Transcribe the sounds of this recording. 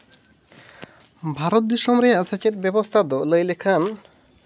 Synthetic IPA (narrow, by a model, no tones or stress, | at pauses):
bʱaɾɔt̪̚d̪iʃɔmɾeasat͡ʃet̪̚bɛbost̪ʰad̪ɔləjlekʰan